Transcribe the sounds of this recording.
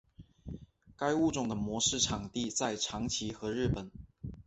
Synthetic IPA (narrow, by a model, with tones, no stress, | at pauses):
ka˥ɪu˥˧ʈ͡ʂʊ˥˩ŋd̪ə˩mwɔ˧˥ʂɻ̩˥˩ʈ͡ʂʰɑ˨˩ŋt̪i˥˧t͡sa˥˩ɪʈ͡ʂʰɑ˧˥ŋt͡ɕʰi˧˥xɤ˧˥ɻɻ̩˥˩pə˨˩˦n